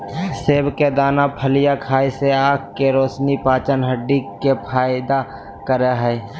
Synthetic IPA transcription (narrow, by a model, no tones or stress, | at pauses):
seːbked̪aːnapʰəlijakʰaːiseaːk̚keɾoːsnipaːt͡ʃənɦəɖːikepʰaːɪd̪a | kəɾeɦɛː